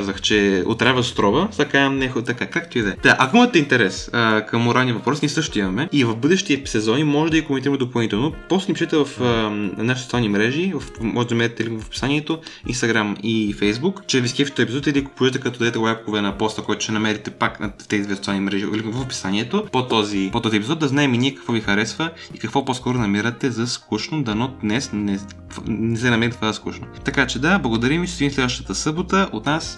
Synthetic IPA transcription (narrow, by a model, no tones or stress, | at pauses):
azɐxt͡ʃɛo̰t̪ɾavəst̪ɾɔvəsakajɐmnɛxot̪ɐkakakt̪iid̪ɛd̪aʔɐkoimɐt̪ɛint̪ɛɾɛsəkɐmːoɾalˠnivɐpɾɔsniɛsɤʃt̪oimɐmɛivɐfbɤd̪ɛʃt̪iəsɛzɔnimɔʒɛd̪ɐɡikomɛnt̪iɾəmɛd̪opɐlˠnit̪ɛlˠnopɔsnipiʃɛt̪ɛvɐfənaʃisot̪sʲalˠnimɾɛʒivɐfmɔʒɛd̪nɐmɛɾɛt̪ɛlivɐfpi̥saniɛt̪o | ḭnst̪ɐɡɾamifɛjzbukt͡ʃɛvʲiskʲɛfi̥t̪oɛpizɔt̪iliɐko̥pʊʒɛt̪ɛkɐt̪ɔd̪ɐd̪ɛt̪ɛwajpkovɛnɐpɔst̪əkɔjt̪o̥ʃɛnɐmɛɾit̪ɛpaknɐt̪ɛzid̪vɛsot̪salˠnimɾɛʒilivɐfpi̥sanʲiɛt̪opot̪ɔzipot̪ɔziɛpizɔtd̪d̪ɐznaɛminiɛkɐ̥kvfɔvixɐɾɛsvə | ikɐkvoposkɔɾonɐmiɾət̪ɛzɐskuʃnod̪ɐnod̪nɛsnɛ | nɛsɛnɐmɛnt̪kvazɐskuʃnot̪ɐkat͡ʃɛd̪ablˠɐɡod̪ɐɾimiʃsɛd̪inslɛd̪vɐəʃt̪ət̪əsɤbot̪əʔot̪nas